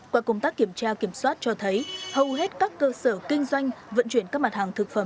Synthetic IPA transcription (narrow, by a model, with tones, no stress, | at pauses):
kwaː˧˩kə˧wŋ͡mt̪aː˦˥kːi˧˩əmt͡ɕaː˧ki˧˩əmswaː˦˥t̚t͡ɕɔ˧t̪ʰə˨˦jhə˨˩wɦe˦˥t̚kaː˦˥kːəː˧səː˧˩kï˧ŋ̟zwa˧jŋ̟və̰˧˨nt͡ɕwi˧˩ənkaː˦˥k̚ma˨˩t̚haː˨˩ŋt̪ʰɨ˨˩k̚fə˧˩m